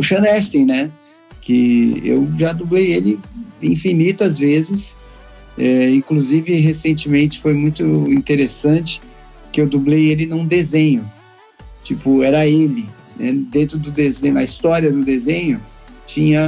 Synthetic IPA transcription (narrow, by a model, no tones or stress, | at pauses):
ʊʃɐ̃nɛst̪ẽj̃nɛ | kɪḛwʒad̪ublejelɪĩfinit̪ʊazvezɪs | ɛĩkluzivɪɦesẽnt͡ʃɪmẽnt͡ʃɪ̥fojmũj̃t̪ʊĩt̪eɾesɐ̃t͡ʃɪ̥ | kɪewd̪ublejelɪnũd̪ezẽɲʊ | t͡ʃipʊɛɾɐelɪ | nɛd̪ẽnt̪ɾʊd̪ʊd̪ezẽj̃ʊɐist̪ɔɾiɐd̪ʊd̪ezẽɲʊ | t͡ʃĩɲɐ